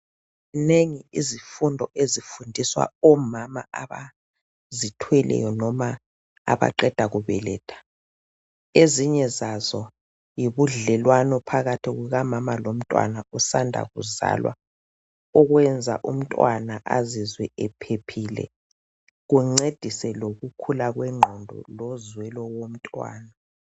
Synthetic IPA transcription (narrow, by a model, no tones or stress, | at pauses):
neŋiizifundʱɔʔezifundʱiswa̰ɔmamaʔaβa̰ | zitʰwɛlʔɛ̰jɔnɔma | a̰βa̰ǃɛd̥ʱaɣuβɛ̰lɛ̰ːtʰḁ | eziɲɛzazɔ | jiβuɮɛlwanɔpʰaɣatʰiɣuɣamamalom̩tʼwa̰nausandʱa̰ɣṵza̰lwa̰ | ɔɣwɛnd͡zʱa̰ʔum̩tʼwanaʔa̰zizwɛɛpʰepʰiːlɛ̰ | ɣuŋ͡ǀed̥ʱisɛloɣukʰulaɣwɛŋ͡ǃʱɔndʱɔ̰lɔzwɛlɔwom̩tʼwa̰ːna